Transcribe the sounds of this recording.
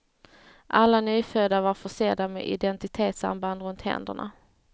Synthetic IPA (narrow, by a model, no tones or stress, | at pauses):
ʔalːanyːfød̪avaɾfœʂeːd̪amɛ̰ʔɪ̰d̪ɛnt̪ɪt̪ʰeːt̪sa̰mband̪ɾɵnt̪hɛ̰nd̪ə̰ɳa̰